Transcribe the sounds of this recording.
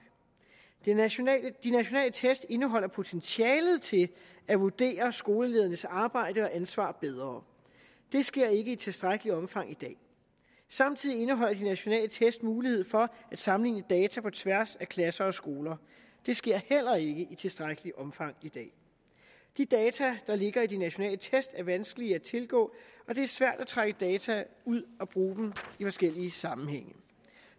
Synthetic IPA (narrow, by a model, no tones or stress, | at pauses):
d̥inæɕo̝nɛ̰ːlət͡sʰesd̥e̝nəɦɒ̽l̰ɐpʰo̝t͡sʰenɕjɛːlð̞̩ˠt͡sʰe̝l | æʋuɐd̥e̝̰ːɐsɡ̥o̝ːləle̝ːð̞ˠɐnəsɑ̈ːb̥ɑ̈ɪ̰d̥əɒ̽ʔænsʋɑ̰̈ːb̥eð̞ˠʁɐː | d̥e̝sɡ̥e̝ɐ̰e̝ɡ̥əit͡sʰe̝sd̥ʁaɡ̥əliɒ̽mfɑ̈ŋ̰id̥ɛ̰ː | sɑ̈mt͡sʰið̰ˠie̝nəɦɒ̽l̰ɐd̥inæɕo̝nɛ̰ːlət͡sʰesd̥muːlihe̝ð̞̰ˠfɒ̽æd̥sɑ̈mn̩lḭːnəd̥ɛːt͡sʰæpʰɒ̽t͡sʰʋæɐsækʰlæsɐɒ̽sɡ̥o̝ːlɐ | d̥e̝sɡ̥e̝ɐ̰hel̰ɐe̝ɡ̥əʔit͡sʰe̝lsd̥ʁaɡ̥əliʔɒ̽mfɑ̈ŋ̰id̥ɛ̰ː | d̥id̥ɛːt͡sʰæd̥ɑ̈le̝ɡ̥ɐid̥inæɕo̝nɛ̰ːlət͡sʰesd̥æɐʋænsɡ̥əliæt͡sʰe̝lɡ̥ɔ̰̽ːɒ̽de̝æɐsʋæɐ̰d̥æt͡sʰʁaɡ̥əd̥ɛːt͡sʰæuð̰ˠɒ̽b̥ʁuːd̥m̩ifɒ̽sɡ̥el̰iəsɑ̈mn̩ɦeŋ̰ə